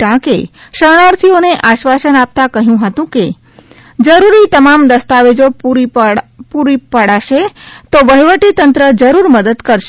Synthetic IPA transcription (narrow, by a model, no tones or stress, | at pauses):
ʈãkeʃəɽ̃aɾt̪ʰioneʔaʃʋasənap̚t̪akəɦijũɦət̪ũke | d͡ʒəɾuɾit̪əmamd̪əst̪aʋed͡ʒo | puɾipəɽaʃet̪oʋəjʋəʈit̪ənt̪ɾəd͡ʒəɾuɾməd̪əd̪kəɾʃe